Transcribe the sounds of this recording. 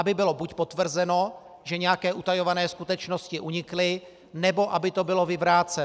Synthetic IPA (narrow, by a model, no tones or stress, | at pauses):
abɪbɪlo̞bucpo̞t̪vr̩zɛno̞ | ʒɛɲɛjakɛːʔut̪ajo̞vanɛːskut̪ɛt͡ʃno̞scɪʔuɲɪklɪ | nɛbo̞ʔabɪt̪o̞bɪlo̞vɪvɾaːt͡sɛ